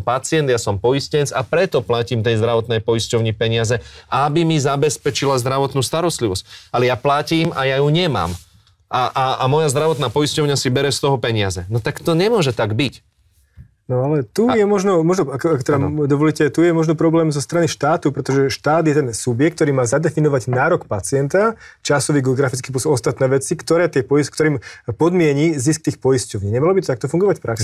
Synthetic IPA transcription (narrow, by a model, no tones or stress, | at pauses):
mpat͡sɪɛnd̪jasɔmpɔjiscɛt͡sapɾɛt̪ɔplaciːmt̪ɛjzd̪ɾaʋɔt̪nɛjpɔjiscɔʊɲipɛɲɪazɛʔabimizabɛspɛt͡ʃilazd̪ɾaʋɔt̪nuːst̪aɾɔst̪liʋɔscalɛjaːplaciːmajajuɲɛma̰ːm | ʔaʔaamɔjazd̪ɾaʋɔt̪naːpɔjiscɔʊɲasibɛɾɛst̪ɔɦɔpɛɲɪazɛnɔt̪akt̪ɔɲɛmʊɔʒɛt̪aɡbic | nɔalɛt̪ujɛmɔʒnɔmɔʒnɔakɔakɔt̪ɛd̪ad̪ɔʋɔlicɛt̪ujɛmɔʒnɔpɾɔblɛːmzɔst̪ɾaniʃt̪aːt̪upɾɛt̪ɔʒɛʃt̪aːd̪jɛt̪ɛnsubjɛk̚t̪ɔɾiːmaːzad̪ɛfinɔʋaɟnaːɾɔkpat͡sɪɛnt̪at͡ʃasɔʋiːɡɛɔɡɾafit͡skiːpɔsɔɔst̪at̪nɛːʋɛt͡sikt̪ɔɾɛːt̪ɪɛpɔiskt̪ɔɾiːmpɔd̪mɪɛɲizisk̚t̪iːxpɔjiscɔʊɲiːɲɛmalɔbit̪ɔt̪ak̚t̪ɔfuŋɡɔʋacfpɾaks